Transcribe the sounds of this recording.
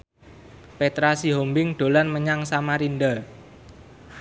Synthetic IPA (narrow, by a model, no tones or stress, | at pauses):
pet̪ɾasiɦombɪŋɖ̪̥o̤lanməɲaŋsamaɾind̪ə